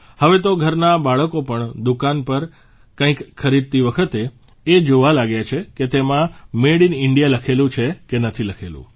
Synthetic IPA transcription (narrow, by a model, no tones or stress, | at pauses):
həʋet̪oɡʱəɾnabaɭəkopəɳd̪ukanpəɾ | kãĩkxʰəɾid̪̚t̪iʋəkʰət̪e | ed͡ʒoʋalaɡjat͡ʃʰeket̪emãmeɽinɪɳɖijaləkʰelũt͡ʃʰekenət̪ʰiləkʰelṵ̃